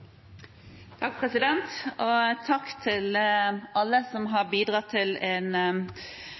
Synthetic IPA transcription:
t̪ʰɑk̚pʰɾɛsɪd̪ɛnt̪ot̪ʰɑkːt̪ʰɪlɑlːəsɔmɦɑbiːd̪ʁɑt̪ʰːɪleːn

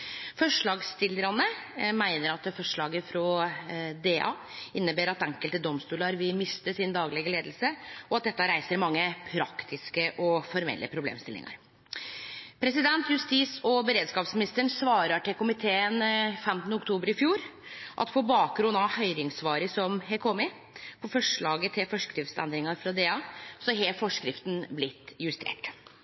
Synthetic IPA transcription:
fɔʂɭɑːɡst̪ɪlːəɾɑnəmæɪnəɾɑt̪fɔʂɭɑːɡəfɾɔ | d̪eːʔɑ̰ː | ɪnːəbeːɾɑt̪ɛŋkəlt̪əd̪ɔmst̪uːlɑɾʋɪmɪst̪əsɪnd̪ɑːɡlɛɡəleːd̪l̩səɔɑt̪̚d̪ɛt̪ːəɾæɪsəɾmɑŋːəpʰɾɑkt̪ʰɪskəʔɔfɔɾmɛ̰lːʔə̰pʰɾʊblḛːmst̪ɪlɪ̰ŋɑ̰ɾ | pʰɾɛsɪd̪ɛnt̪jʉst̪iːsɔbəɾeːd̪skɑːpsmɪnɪst̪əɳsʋɑːɾəʈɪkʊmɪt̪ʰeːənfɛmt̪ənəʊkt̪ʰuːbəɾɪfjuːɾʔɑ̰t̪pʰɔbɑːk̚ɡɾʉnɑʋhœʏɾɪŋsʋɑːɾəsɔmɦɛkʰɔmɪ | pʰɔfɔʂɭɑːɡət̪ʰɪlfɔʂkɾɪfsɛ̰nd̪ɾɪŋɑɾfɾɑd̪eːɑːsɔɦɛfɔʂkɾɪft̪n̩blɪt̪ːjʉst̪ʰḛːʈ

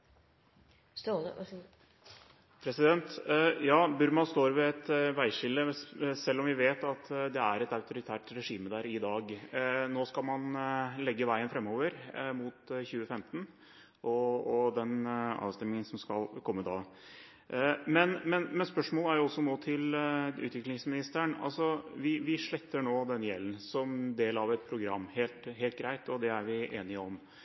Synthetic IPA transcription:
s | pʰɾɛsɪd̪ɛnt̪jɑːbʉɾmɑnst̪oːɾʋɛɛt̪ʋæɪʂɪlːəsɛlːɔmʋɪʋeːt̪ɑt̪d̪ɛæɾɛt̪ɑʉt̪ʊɾɪt̪ʰæːʈɾɛʂiːməd̪æːɾɪd̪ɑːɡnoːskɑlmɑnlɛɡːəʋæɪənfɾɛmːoːʋəɾmuːt̪çʉːəfɛmt̪ən̩ | ʔɔɔd̪ɛnɑ̰ːʋst̪ɛmːɪŋənsɔmskɑlkʰɔmːəd̪ɑː | mɛnmɛnmɛnspœʂmoːləæɾjʊɔsːɔnoːt̪ʰɪlʉ̰ːt̪ʋɪklɪŋsmɪnɪst̪əɳɑ̰lsɔʋɪʋɪʂɭɛt̪ːəɳoːd̪ɛnjɛlːən̩sɔmd̪eːlɑʋɛt̪̚pʰɾʊɡɾɑmːheːlt̪ɦeːlt̪̚ɡɾæɪt̪ɔd̪ɛæɾʋɪʔeːnɪɔm

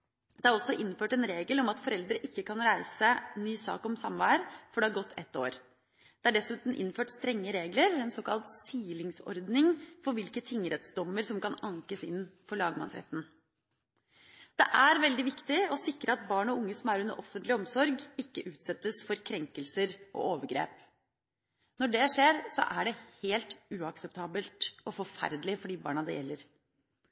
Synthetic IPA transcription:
d̪ɛhɑɾɔsːɔʔɪnføːʈɛnɾeːɡəlɔmɑt̪fɔɾɛld̪ɾəʔɪkːəkʰɑnɾæɪsənyːsɑ̰ːkɔmsɑmʋæːɾfɔɖɛhɑɾɡɔt̪ːʰɛ̰t̪ːo̰ːɾ | d̪̥ɛæɖɛsʉːt̪n̩ʔɪ̰nːføːʈst̪ɾɛŋːəɾeːɡləɾɛnsoːkɑlt̪siːlɪŋsɔ̰ɾd̪nɪŋfɔɾʋɪlkət̪ʰɪŋːɾɛt̪sd̪ɔmːəɾsɔmkɑnɑŋkəsɪnfɔɭɑːɡmɑ̰nsɾɛ̰t̪ːn̩ | d̪̥ɛʔæɾʋɛld̪ɪʋɪkt̪ɪɔsɪkɾəɑt̪bɑːɳɔʊŋːəsɔmæɾʉnːə̰ɾʔɔfənt̪lɪɔmsɔɾɡɪkːəʔʉːt̪sɛt̪ːəsfɔɾkʰɾɛŋkəlsəɾʔɔ̰ʔoːʋəɡɾḛːp | nɔɖɛʂeːɾsɔ̰ʔæɖɛheːlt̪ʉːɑksɛp̚t̪ʰɑːbəlt̪ɔfɔɾfæ̰ɾd̪lɪfɔɖiːbɑ̰ːɳɑd̪ɛ̰jːɛlːəɾ

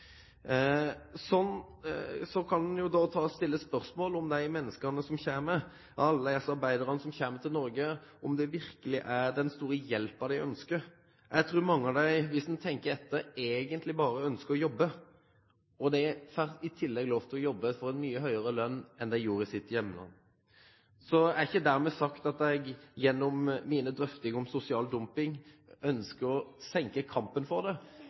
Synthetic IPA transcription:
sɔnː | sɔkʰɑnd̪njʊd̪ɑt̪ʰɑːst̪ɪlːəspœɾsmoːlɔmd̪æɪmɛnːəskənəsɔmçeːmə | ɑlːəɛsɑɾbæɪd̪əɾənəsɔmçeːmət̪ʰɪlnɔɾɡəɔmd̪ɛʋɪɾkəlɪʔæɾd̪ɛnst̪uːɾəjɛlpɑʋd̪æɪʔœnskəɾ | jæɪt̪ʰɾuːɾmɑŋːəd̪æɪʋɪsd̪ɛnt̪ʰɛŋkəɾɛt̪ːəeːɡənt̪lɪbɑːɾəœnskəɾɔjɔbːə | ɔd̪ɛfæːʁɪt̪ʰɪlːɛɡloːʋt̪ʰɪlɔjɔbːəfɔɾɛnmyːəɦœʏəɾəlœnːɛnd̪æɪjuːɾəsɪt̪ːjɛmːnə̰ | sɔæɾɪçːəd̪æɾmɛːsɑkt̪ɑt̪ɛɡjɛnːɔmːiːnəd̪ɾœft̪ɪŋɔmsʊsɪɑːld̪ʊmpɪŋœnskəɾɔsɛŋkəkʰɑmpənfɔɾd̪ɛ

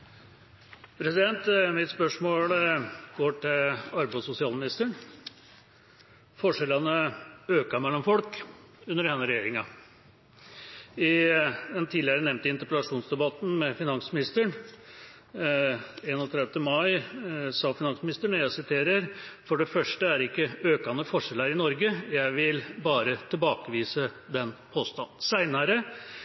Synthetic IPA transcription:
pʰɾɛsɪd̪ɛnt̪mɪt̪spœʂmoːlɡ̥oːʈɪɑɾbæsʊsɪɑːlmɪnɪst̪əɳ | fɔʂɛlənəøːkɑmɛlːɔmfɔlk | ʉnːəɾhɛnːəɾɛjeːɾɪŋɑ | ɪd̪ɛnt̪ʰiːd̪lɪəɾənɛʋnt̪əɪnt̪əɾpəlɑʂuːnsd̪ɛbɑt̪n̩mɛfɪnɑŋsmɪnɪst̪əɳ | eːnɔt̪ʰɾɛd̪d̪əmɑɪsɑːfɪnɑnsmɪnɪst̪əɳəjæɪsɪt̪ʰeːɾəɾfɔɖɛfœʂʈəæɾɪkːəøːkɑnəfɔʂɛləɾɪnɔɾɡəjæɪʋɪlbɑːɾət̪ʰɪlbɑːkəʋiːsəd̪ɛnpʰoːst̪ɑnːsæɪnɑɾə

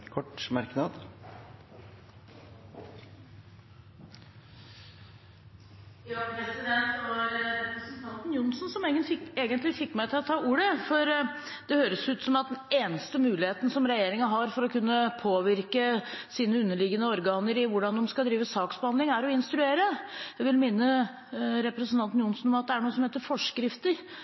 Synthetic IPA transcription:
kʰɔʈmɑɾknɑd̪ | jɑpɾɛsɪd̪ɛnt̪ɾɾɛpɾəsnt̪ʰɑnt̪n̩jʊnsnsɔmɡəɪeːɡənt̪lɪfɪkːmæɪt̪ʰɪlɔt̪ʰɑːuːɾəfɔɾ | d̪̥ɛhøːɾəsʉːt̪sɔmɑt̪̚d̪ɛneːnəst̪əmʉːlɪheːt̪n̩sɔmɾɛjeːɾɪŋəɦɑɾfɔɾɔkʉnːəpʰoːʋɪɾkəsiːnəʉnːəɭɪɡənəɔɾɡɑːnəɾɪʋʊɖɑnd̪ɔmskɑld̪ɾiːʋəsɑːksbəhɑnd̪lɪŋæɾɔɪnst̪ɾʉeːɾəjæʋɪlmɪnːə | ɾɛpɾəsənt̪ʰɑnt̪njʊnsn̩ɔmɑt̪̚d̪ɛæɳuːəsɔmheːt̪əɾfɔʂkɾɪft̪əɾ

